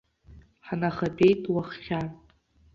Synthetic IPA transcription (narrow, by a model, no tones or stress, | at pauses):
ħanaχabe̞jtʼwaχχʲan